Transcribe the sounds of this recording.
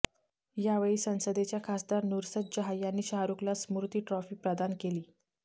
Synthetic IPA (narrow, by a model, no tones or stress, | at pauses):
jaʋəɭiːsə̃w̃səd̪et͡ɕjakʰasd̪aɾnuɾsət̪̚d͡ʑəɦajːanːiːɕaɦɾuklasmuɾt̪iːʈɾɔfiːpɾəd̪ankeliː